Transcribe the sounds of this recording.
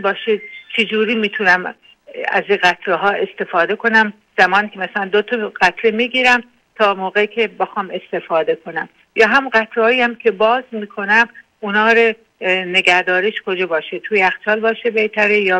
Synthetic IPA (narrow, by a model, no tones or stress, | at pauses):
bɒːʃet͡ʃʰed͡ʒuːɾiːmiːt̪ʰunæm | æ̰ziɣæt̪ʰɾeɦɒːe̞st̪e̞fɒːd̪e̞kʰo̞næm | z̥æmɒːniːkʲʰemæsælænd̪ot̪ʰɒɢæt̪ʰɾemiɡiːɾæm | t̪ʰɒːmoːɣekʲʰebexɒːme̞st̪e̞fɒːd̪e̞kʰo̞næm | jɒːɦæmɢæt̪ʰɾehɒːjiæmkʰe̞bɒːzmiːkʰo̞næm | unɒːɾe | neɡæɾd̪ɒːɾeʃkʰod͡ʒɒːbɒːʃet̪ʰuːjeæxt͡ʃɒːlbɒːʃebeht̪ʰæɾejɒː